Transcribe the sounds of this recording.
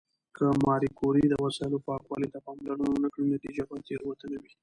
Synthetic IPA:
kəmɑɾikoɾid̪əwasɑɪlopɑkwɑlit̪apɑmlaɽananakɽinat̪id͡ʒabajt͡seɾwat̪ənawi

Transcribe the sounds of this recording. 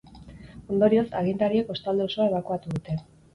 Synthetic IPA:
o̞nd̪o̞ɾio̞sa̰ɣint̪aɾieko̞st̪ald̪eo̞so̞ae̞β̞akuat̪uðut̪e̞

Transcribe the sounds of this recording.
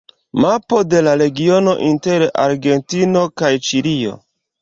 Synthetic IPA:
mapo̞de̞laɾe̞ɡio̞no̞ʔinte̞ɾa̰ɾɡe̞ntino̞kajt͡ʃiɾio̞̰

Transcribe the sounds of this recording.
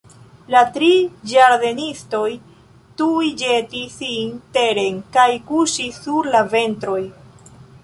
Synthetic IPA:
latɾid͡ʒaɾde̞nisto̞j | tujd͡ʒe̞tisinte̞ɾe̞nkajkuʃisːuɾlave̞ntɾo̞j

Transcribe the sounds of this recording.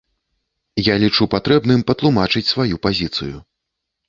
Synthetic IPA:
jalʲit͡ʂupat̪ɾɛbnɨmpɐt̪lˠumat͡ʂɨt͡sʲsvajupazʲit̪sɨ̰ju

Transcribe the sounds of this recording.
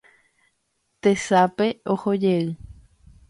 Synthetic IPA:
t̪esapeohod͡ʒeɨ

